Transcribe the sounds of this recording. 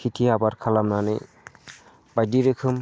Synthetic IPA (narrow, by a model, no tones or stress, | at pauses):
kʰitʰiabaɹkʰalamnanɯ̰ | bajdiɾɯkʰɯm